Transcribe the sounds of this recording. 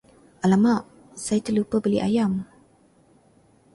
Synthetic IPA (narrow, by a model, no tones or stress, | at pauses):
ʔalamaʔ | sajat̪əlupəbəlḭʔa̰jam